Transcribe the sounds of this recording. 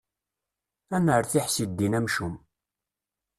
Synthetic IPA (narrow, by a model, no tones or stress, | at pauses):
ænəɾθɪħsid̪ːinæmʃum